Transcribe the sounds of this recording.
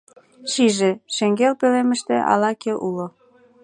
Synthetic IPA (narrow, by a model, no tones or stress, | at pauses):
ʃiʒeʃeŋɡelpelemə̆ʃt̪ḛ̆ʔɑ̰lɑkeʔulo